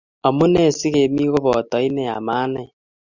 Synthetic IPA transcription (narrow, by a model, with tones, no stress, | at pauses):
ɔ˨mu˦ne˦˨si˦ɣe˨mi˦ɣo˦βɔ˨tɔ˨˦i˦nɛ˨a̰˨maː˦nɛ˨